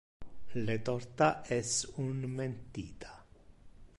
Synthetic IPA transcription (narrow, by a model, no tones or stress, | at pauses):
let̪ɔɾt̪aʔɛsunment̪iːt̪ʰḁ